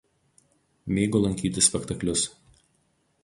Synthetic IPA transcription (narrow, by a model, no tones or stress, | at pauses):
mʲeːɡoːlˠɐŋʲkʲiːt̪ʲɪsʲpʲɛkt̪ɐklʲʊs